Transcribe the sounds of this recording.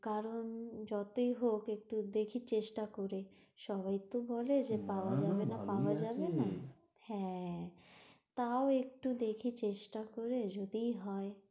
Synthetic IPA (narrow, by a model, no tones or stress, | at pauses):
kaɾond͡ʑɔt̪oiɦokek̚ʈud̪ekʰit͡ɕeʃʈakoɾe | ʃɔβajt̪obɔled͡ʑepaoad͡ʑabenapaoad͡ʑabena | hɛ̃ | t̪aoek̚ʈud̪ekʰit͡ɕeʃʈakoɾed͡ʑod̪ijɦɔe